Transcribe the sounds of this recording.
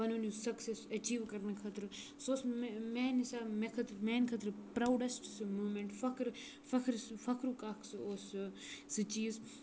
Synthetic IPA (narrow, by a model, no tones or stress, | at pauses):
ɐnunusɐksesɐt͡ʃiːʋkɐɾnɐkʰɐt̪ɾɨ | soːsmmeːnisaːmekʰɐt̪ɾmɛːnkʰɐt̪ɾɨpɾaːwɖɐsʈsɨmuːmeɳʈfɐkɾ | fɐkʰɾsɨfɐkɾukaːkʰsɨoːsɨsɨt͡ʃiːz